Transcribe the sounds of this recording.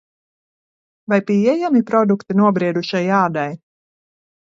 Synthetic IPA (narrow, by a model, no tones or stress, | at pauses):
vajpiɛjamipɾɔd̪ukt̪inuɔbɾiɛd̪uʃajaːd̪aj